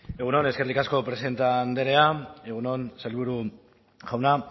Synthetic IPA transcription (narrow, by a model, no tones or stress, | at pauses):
eɣ̞unone̞ske̞rlikasko̞pɾe̞se̞nt̪and̪e̞ɾe̞ae̞ɣuno̞nsalβuɾu | ɣawna